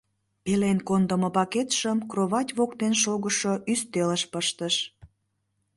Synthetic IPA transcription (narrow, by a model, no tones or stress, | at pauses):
pelenkond̪əməpɑket̪ʃəmkroβɑtʲβokt̪enʃoɣəʃoʔyst̪eləʃpəʃt̪əʃ